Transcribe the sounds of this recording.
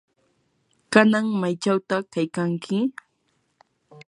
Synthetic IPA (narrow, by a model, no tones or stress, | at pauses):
kanaŋmajt͡ʃawt̪akajkaŋkʰɪ